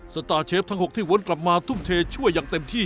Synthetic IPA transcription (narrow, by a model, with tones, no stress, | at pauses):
sa˧˥t̪aː˧t͡ɕʰeː˦˥p̚t̪ʰa˦˥ŋho˨˩k̚t̪ʰiː˥˩wu˦˥nkla˨˩p̚maː˧t̪ʰu˥˩mt̪ʰeː˧t͡ɕʰu˥˩əjːaː˧ŋt̪e˧mt̪ʰiː˥˩